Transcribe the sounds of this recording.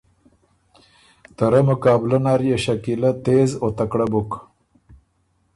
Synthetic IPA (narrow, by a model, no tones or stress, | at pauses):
t̪ɐɾɐmʊkɑːblɐnaɾjeɕɐkilɐt̪eːzot̪ɐkɽabuk